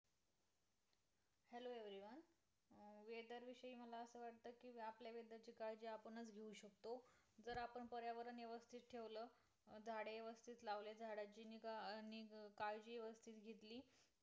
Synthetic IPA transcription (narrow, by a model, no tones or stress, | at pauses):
heloeʋɾiʋan | ʋed̪əɾʋiɕəiːməlaəsəːʋaʈ̚t̪əːkiʋapljaʋed̪əɾt͡ɕiːkajd͡ʑiːapəɳət͡sɡʱeũɕək̚t̪od͡zəɾapəɳpəɾjaʋəɾəneʋəst̪ʰit̪̚ʈʰeʋləː | d͡zʱaɽeʋəst̪ʰiːt̪laʋled͡zʱaɽat͡ɕiːniːnikajd͡ʑiːeʋəst̪ʰiːt̪ɡʱet̪liː